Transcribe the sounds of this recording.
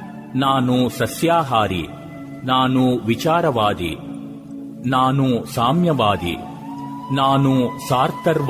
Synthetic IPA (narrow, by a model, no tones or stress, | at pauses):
naːnusɐsjaːɦaːɾḭ | naːnuʋit͡ʃaːɾɐʋaːd̪ḭ | naːnusaːmjɐʋaːd̪ḭ | naːnusaːɾt̪ɐɾʋ